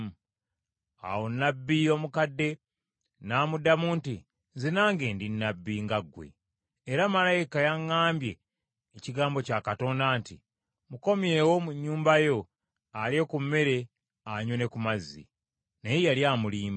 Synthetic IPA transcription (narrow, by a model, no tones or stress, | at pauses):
a̰wonːabːijo̞mukadːe̞ | naːmudamuːnti | zinaːŋɡe̞ːndinːabːiŋɡaɡwe̞̰ː | ɾamalajikajaŋːaːmbje̞ː | ciɡaːmbo̞caːkato̞ːndaːnti | muko̞mje̞ːwo̞muɲːuːmbajo̞ | alje̞kumːe̞ɾe̞ | aɲwone̞kumazḭ | nejejaljaːmuliːma